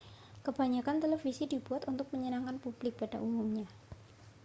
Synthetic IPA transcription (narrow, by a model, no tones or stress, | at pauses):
kəb̥aɲakant̪elefisidib̥uat̪unt̪ʊk̚məɲənaŋkanpub̥lɪk̚padaʔumumɲa